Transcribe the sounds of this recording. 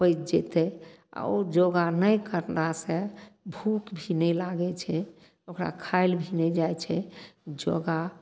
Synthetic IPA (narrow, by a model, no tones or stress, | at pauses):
pəjt͡ʃd͡ʒet̪ɛ | a̰od͡ʒoɡanəjkəɾnasẽbʱukbʱinɛlaɡɛt͡ʃʰɛ | okɾa̰kʰaɪlbʱinɛd͡ʒajt͡ʃʰɛd͡ʒo̰ɡa